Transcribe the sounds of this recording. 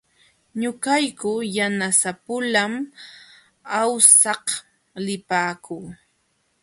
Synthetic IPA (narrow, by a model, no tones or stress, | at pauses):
ɲʊkajkʊjanasapʊlam | awsɑh | lɪpaːkuː